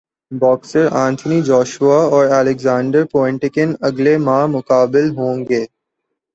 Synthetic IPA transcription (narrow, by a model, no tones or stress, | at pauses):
bɔːksəɾãːnt̪ʰnid͡ʒɔːʃuaɔːɾɛːlɪɡzãːɳɖəɾpoːɪ̃ɳʈɪkənɐɡlemãːmʊkaːbɪlɦõːŋɡeː